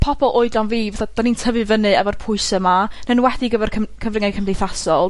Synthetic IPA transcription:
pʰɔbɔlˠʔoɨdlanviːvaθad̥anintʰəvɨvənɨɛvɔrpʰʊɨsəmanənwɛdiɡəvɛrkʰəmkʰəvrɪŋajkʰəmdejθasɔlˠ

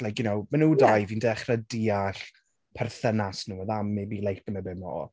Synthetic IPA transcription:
lajkjʊnowmanuːdajvindɛχrədiaɬ | pʰɛrθənasnuːɔðamːibiːlˠejt̚əmɛbɪmɔ̰ɔ̰

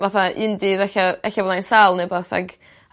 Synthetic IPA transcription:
vaθaʔɪndɪðɛɬaɛɬalˠajnsalˠnɛbaθa̰ɡ

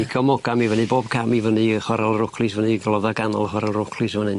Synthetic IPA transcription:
iɡʰɔmɔɡ̥amivənɨboːb̚kʰamivənɨχwaɾalˠrʊkʰlˠɨsvəniɡlˠɔðaɡanɔlˠχwaɾalˠrʊkʰlˠɨsvənɨn

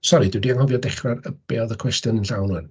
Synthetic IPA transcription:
sɔɾidɪwdiaŋhɔvjɔdɛχrarəb̥eːɔðəkʰw̥ɛstjɔnənɬawnwɨn

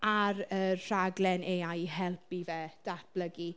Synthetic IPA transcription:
aɾər̥aɡlɛneajɦɛlˠpivɛd̥at̚b̥ləɡi

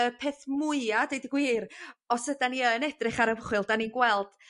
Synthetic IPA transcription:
əpʰeːθmʊɨadejdɡwiːɾɔsədaniənɛdrɪχaɾəvəχwɪlˠd̥aninɡwɛlˠd̥

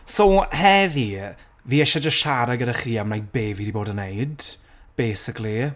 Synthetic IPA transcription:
sohɛvi | viːɛʃad͡ʒəʃaɾaɡədaχiːamnajbeːvidiboːdənejd | b̥eːsɪkʰlˠi

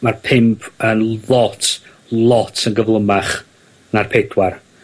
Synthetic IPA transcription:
marpʰɪmpʰənlˠɔtʰ | lˠɔtʰənɡəvlˠəmaχ | narpʰɛdwar

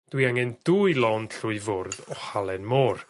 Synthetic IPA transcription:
d̥wiaŋɛnd̥uːjlˠɔnd̥ɬʊɨvʊrðɔhalˠɛnmɔr

